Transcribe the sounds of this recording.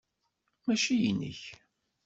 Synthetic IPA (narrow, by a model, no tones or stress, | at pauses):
mæʃijinːə̰ç